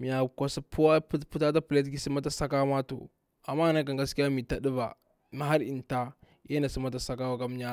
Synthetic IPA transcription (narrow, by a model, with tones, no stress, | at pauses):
mi˨ja˨ka˨si˦pu˦wa˦pu˦ta˦ta˦pi˨le˦t̬ki˨˦si˦ma˦ta˦sa˦ka˦ma˦to̰˨ | a˨mːa˦˨na˦k̬a˨ŋɡa˦ski˦ja˦mi˨ta˨di˦ba˨ | ma˨ɦa˦ɾi˨nta˦ | je˦na˨si˦ma˦t̬a˨sa˦ka˦wa˦ka˦m˦ɲa˦